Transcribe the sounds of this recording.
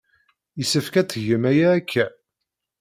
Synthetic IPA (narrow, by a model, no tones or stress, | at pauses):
jəsəfkæt͡sːʝəmæjæːkʰːæ